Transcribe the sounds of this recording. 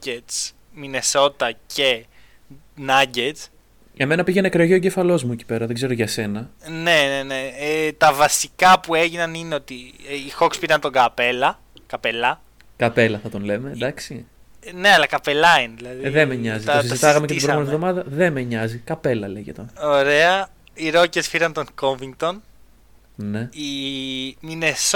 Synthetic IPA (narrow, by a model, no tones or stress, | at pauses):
es | mine̞so̞t̪ɐcʰe | nɐɟet͡s | eme̞nɐpiʝenɐkɾeoʝioɟefɐlo̞zmueci̥pe̞ɾɐðe̞ɡze̞ɾo̞ʝɐse̞nɐne̞neneet̪ɐvɐsikɐpueʝinɐnineo̞t̪iixo̞kspiɾɐnt̪o̞ŋɡɐpe̞lɐ | kɐpelɐ | kɐpe̞lɐθɐt̪o̞nle̞me̞d̪ɐksi | ne̞ɐlɐkɐpe̞lɐineðilɐðiðemeɲɐzit̪os̬izzit̪ɐɣɐmeetbomonevðo̞mɐðɐðe̞meɲɐzikɐpe̞lɐleʝḛt̪ono̞ɾe̞ɐ | iɾo̞ce̞sfiɾɐnt̪o̞ŋko̞ɱviŋk̚t̪o̞n | ne̞i | mines